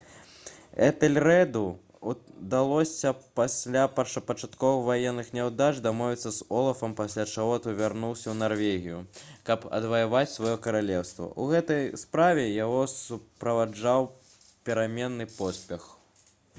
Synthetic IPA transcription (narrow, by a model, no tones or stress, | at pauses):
ɛt̪ɛlʲrɛd̪u | d̪alˠɔsʲɐpasʲlʲapɐt͡ʂɐpɐt͡ʂat̪kɔvɨxvajɛnːɨxnʲɛwd̪at͡ʂd̪amɔvʲit̪sːɐzɔlˠɐfɐmpasʲlʲat͡ʂaɣɔt̪ɔvʲarnuwsʲɐwnarvʲeɣʲijukɐpɐ̰d̪vɐjavat͡sʲsvajɔkɐɾalʲɛwst̪vɐ̰ʔuɣɛt̪ɐjspɾavʲɛjaɣɔsupɾɐvad͡ʐaw | pʲɛɾamʲɛnːɨpɔsʲpʲɛx